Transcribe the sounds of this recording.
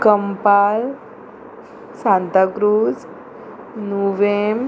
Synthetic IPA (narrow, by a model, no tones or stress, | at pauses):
kəmpaːl | sãnt̪aɡɾuːd͡z | nuʋem